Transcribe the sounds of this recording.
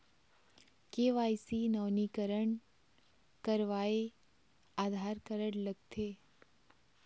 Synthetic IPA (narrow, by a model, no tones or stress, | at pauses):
keʋajsinəʋnikəɾəɳ | kəɾʋae | ad̪ʱaɾkəɾəɽləɡt̪ʰe